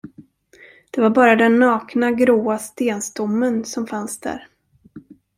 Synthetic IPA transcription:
d̪̥ɛvaɾbɑːɾad̪ɛnːɑːknaɡɾoːast̪eːnst̪ʊmːənsɔmfansd̪æ̰ːɾ

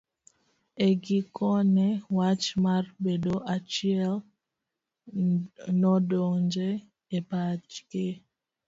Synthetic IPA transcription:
eɡɪkʰɔnɛwat͡ʃmarbedoʔat͡ʃiɛl | nɔdoŋɲd͡ʒe | epad͡ʒɡe

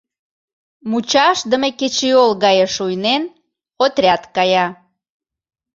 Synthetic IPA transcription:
mut͡ɕɑʃd̪əmeket͡ɕiolɣɑjeʃujnen | ot̪rʲɑt̪kɑjɑ

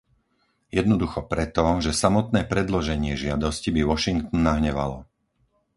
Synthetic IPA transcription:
jɛd̪nɔd̪uxɔpɾɛt̪ɔʒɛsamɔt̪nɛːpɾɛd̪lɔʒɛɲɪɛʒɪad̪ɔscibiʋɔʃiŋkt̪nːaɦɲɛʋa̰lɔ

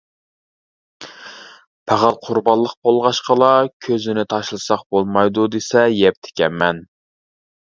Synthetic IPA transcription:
pʰæʁælˠqʰʊɾbɑlˠːəq̚pʰolˠʁɑʃqəlˠɑkʲʰøzɪnɪt̪ʰɑʃlˠɨsɑq̚bolˠmɑjd̪ud̪esɛjɛp̚t̪ʰɪ̥kʲɛmːɛn

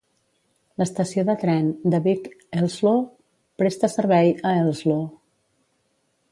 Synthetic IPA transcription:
ləst̪əsioðət̪ɾɛnd̪əβikɛlˠzlo | pɾest̪əsəɾβɛjəɛlˠzlo

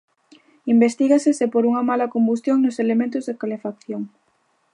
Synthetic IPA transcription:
imbest̪iɣasɪsepoɾuŋɐmalɐkombust̪joŋnoselemẽnt̪ʊzðekalefak̚θjoŋ

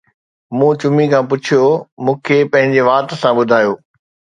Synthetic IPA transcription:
mũːt͡ɕʊmikʰãːpʊt͡ɕʰijomũːkʰepɐ̃ɦɪ̃ɲd͡ʑeʋaːt̪̆sãɓʊd̪ʱaːjoː

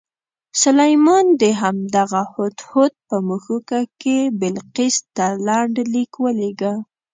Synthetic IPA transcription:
salajmɑnd̪əɦamd̪aɣahot̪hot̪̚pəmuxukakebɪlqɪst̪alaɳɖlikwəleɡa

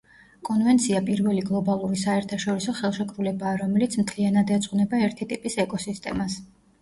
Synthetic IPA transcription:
kʼɔnvɛnt̪sʰiapʼiɾvɛliɡlˠɔbalˠuɾisaɛɾt̪ʰaʃɔɾisɔχɛlˠʃɛkʼɾulɛbaːɾɔmɛlit̪sʰmt̪ʰlianad̪ɛt̪sʼqʼnɛbaɛɾt̪ʰit̪ʼipʼisɛkʼɔsist̪ʼɛ̰mas

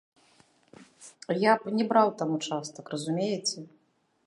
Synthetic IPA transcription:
japnʲɛbɾawt̪amut͡ʂast̪ɐkrɐzumʲejɛt͡sʲɛ

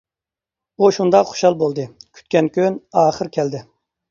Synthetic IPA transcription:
uʃund̪ɑqχo̥ʃɑlˠbolˠd̪ɨkʲʰy̥t̪̚kʲɛnkʲynɑːχəɾkʲʰɛld̪ɪ

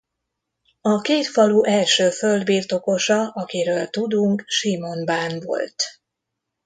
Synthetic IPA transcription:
ɒkeːt̪fɒluʔɛlʃøːfø̞ld̪biːrt̪o̞ko̞ʃɒʔɒkiɾøːlt̪ud̪uŋkʃimo̞nbaːnvo̞̰lt̪

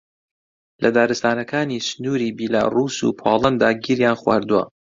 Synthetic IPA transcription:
lʔɐd̪aːɾɨst̪aːnɐkʰaːnisnuːɾiːbiːla̰ːruːsṵpʰaːlˠɐnd̪aːɡiɾjaːnxwa̰ːɾd̪uwɐ̰

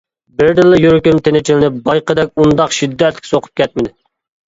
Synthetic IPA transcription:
bɪɾd̪ɨlːɨjyɾkʲymt̪ʰenɪt͡ʃʰilɪnɪpbɑjqʰəd̪ɛk̚ʲund̪ɑqʃid̪ːɛt̪ʰlɪ̥kʲsoqʰʊ̥p̚kʲʰɛt̪̚mɪd̪ɪ

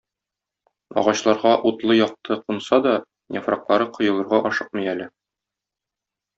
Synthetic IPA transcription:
ɒ̰ʁɑɕlˠɑɾʁɑʔut̪lˠɤjɒq̚t̪ʰɤqunsɑd̪ɒ | nʲefrɑ̰qlˠɑɾɤqŏjɤ̆lˠɤ̆ɾʁɑʔɒʃɤq̚mɤ̆jælɘ

